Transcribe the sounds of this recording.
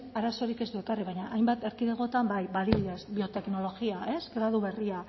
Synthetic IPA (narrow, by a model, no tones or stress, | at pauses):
aɾaso̞ɾike̞zd̪ue̞kariβajɲaʔajmbat̪e̞ɾkiðeɣo̞t̪ambajβaliβiðesbio̞t̪e̞kno̞lo̞ɣiaʔe̞sɡɾað̞uβe̞ria